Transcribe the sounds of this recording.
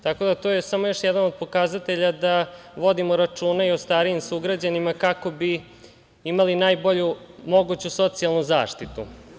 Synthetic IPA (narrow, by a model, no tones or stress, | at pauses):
t̪ako̞d̪at̪ojesamo̞jo̞ʃjɛd̪anod̪̚po̞kazat̪e̞ʎad̪aʋo̞d̪imoɾat͡ʂuːnaiost̪aːɾiimsuɡɾad͡ʑanimakako̞bi | imalinaːjbo̞ʎumo̞ɡut͡ɕuso̞t̪sialˠnuzaːʂt̪it̪ṵ